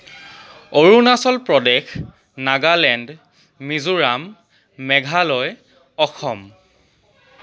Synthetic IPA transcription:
oɹunasɔlpɹɔdɛx | naɡalɛnd | mizuɹamː | ɛɡʱalɔj | ɔxɔm

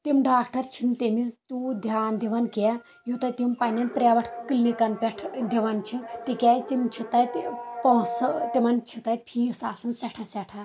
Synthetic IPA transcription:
t̪imɖaːkʈɐɾt͡ʃʰint̪emizt̪ud̪ʱjaːnd̪iʋanka | jut̪ɐjt̪impanɐnpɾʲaʋɐʈʰkɨlːikɐnpʲeʈʰd̪iʋant͡ʃʰit̪ikʲat̪imt͡ʃʰit̪ajt̪post̪imɐnt͡ʃʰit̪ajt̪̚pʰiːsaːsɐnsaʈʰasaʈʰa

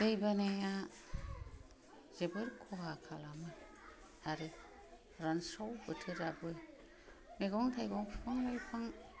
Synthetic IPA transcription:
b̥ejbaneja | zebɯɾkʰɔɦakʰalamɯ | aɾɯ | ɾansawbɯtʰɯɾabɯ | meɡɔŋtʰajɡɔŋpʰpʰaŋlajpʰaŋ

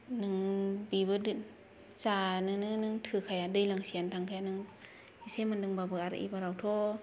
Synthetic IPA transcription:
nɯŋbibɯd | saːnɯŋnɯnɯŋtʰɯkʰajadɯjlaŋsiənt̪ʰaŋkʰajanɯŋ | isemandɯŋbabɯʔaɾa̰ʔḭbaɾawt̪ʰo

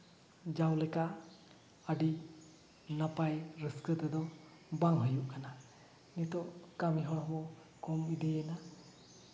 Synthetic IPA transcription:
d͡ʒawlɛka | əɖi | napajɾəskət̪ɛd̪ɔ | baŋɦəjuʔkana | nit̪ɔʔkamiɦɔɦɔbɔ | kɔmid̪ɛjɛna

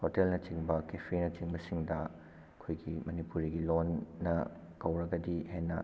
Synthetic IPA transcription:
hotelnɐt͡ʃiŋbɐkepʰɾinɐt͡ʃiŋbɐsiŋdɐ | kʰojɡimɐnipuɾiɡilonːɐ | kɐwɾɐɡɐdihenːɐ

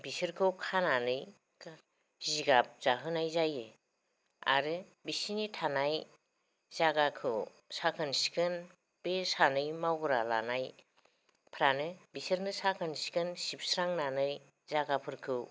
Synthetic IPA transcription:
bisɯɾkʰɯwkʰananɯj | k | ziɡap̚z̥aɦɯnajzaje | a̰ɾɯ | bisinitʰanaj | zaɡakʰɯw | sakʰɯnsi̥kɯn | b̥esanɯjmawɡɾala̰naj | pʰɾanɯbisɯɾnɯsakʰɯnsi̥kɯnsip̚sɾaŋnanɯj | zaɡapʰɯɾkʰɯw

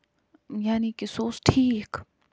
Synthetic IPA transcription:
janikisoːsʈʰiːk

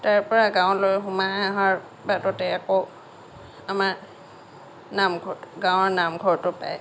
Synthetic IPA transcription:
taɹpɔɹaɡãw̃lojxʊmaɦaɹ | batɔtɛako | amaɹ | namɡʱɔɡãw̃ɔɹnamɡʱɔɹtʊpa̰j

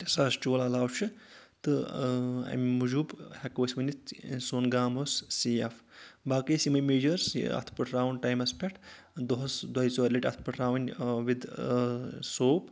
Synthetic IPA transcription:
sast͡ʃoːlalaːwt͡ʃʰɨ | t̪ɨ | ɐ̰mʲmud͡ʒubhɐkoːsʲmɐnʲit̪soːnɡaːmossijɐfbaːkijsimɐnʲmeːd͡ʒɐɾsɐ̰t̪ʰpɨʈʰɾaːwɳʈaːjmɐspʲɛʈʰ | d̪oɦɐsd̪ɐjsoːɾliʈʲɐt̪ʰpɨʈʰɾaːwnʲʋid̪ | soːp

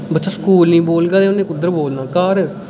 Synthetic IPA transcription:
bət̪ːʃaːskuːlnĩːboːlɡaːd̪eːʊnẽːkʊd̪ːəɾboːlnãːkaːɾ

